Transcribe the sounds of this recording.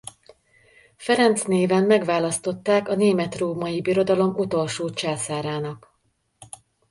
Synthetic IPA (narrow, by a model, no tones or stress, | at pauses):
fɛɾɛnt̪sneːvɛmːɛɡʋaːlɒst̪o̞t̪ːaːkɒneːmɛt̪roːmɒjibiɾo̞d̪ɒlo̞mut̪o̞lʃoːt͡ʃɛlsaːɾaːnɒk